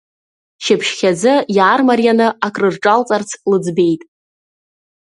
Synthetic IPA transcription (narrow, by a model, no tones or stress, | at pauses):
ʃɪpʰʃχʲad͡zɨjaːrmarjanɨakʼrɨrʈ͡ʂʼalt͡sʼart͡sʰlɨd͡zbe̞jtʼ